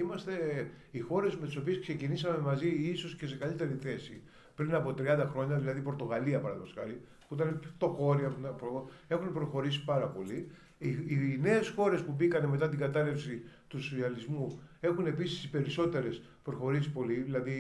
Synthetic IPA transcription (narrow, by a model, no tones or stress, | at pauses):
imɐst̪e̞ixo̞ɾe̞sme̞t̪i̥so̞pie̞skse̞cinisɐme̞mɐziisosce̞se̞kɐlit̪e̞ɾiθe̞si | pɾinɐpo̞t̪ɾiɐnd̪ɐxɾo̞ɲɐðilɐðipo̞ɾt̪o̞ɣɐliɐpɐɾɐðimɐskɐ̰ɾi | puit̪ɐnet̪o̞ko̞ɾiɐpnɐpooe̞xunepɾo̞xo̞ɾisi̥pɐɾɐpo̞li | ine̞ːsxo̞ɾe̞spubikɐne̞me̞t̪ɐt̪iɡɐt̪ɐlefsit̪usosiɐlizmue̞xune̞pisi̥sipe̞ɾiso̞t̪e̞ɾe̞s | pɾo̞xo̞ɾisispo̞liðilɐði